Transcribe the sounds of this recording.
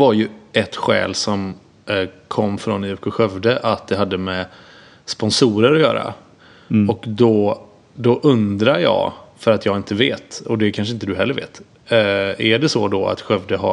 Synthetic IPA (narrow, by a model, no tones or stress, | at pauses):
vaɾjɵɛt̪ɧɛ̰ːlsɔm | kʰɔmːfɾɔnɪʉkʊɧœvd̪əʔat̪̚d̪ɛɦad̪ːəmɛ | spɔnsuːɾəɾɔjœ̰ːɾa̰ | ɔkd̪ɔ | d̪ɔʔɵnd̪ɾajɑ̰ːfœɾat̪jɑːɡɪnt̪əveːt̪ɔd̪ɛkʰanʂ̬əɪnt̪əd̪ɵɦɛlːəɾvḛːt̪ | æɖɛsɔd̪ɔa̰t̪ɧœvd̪əɦa̰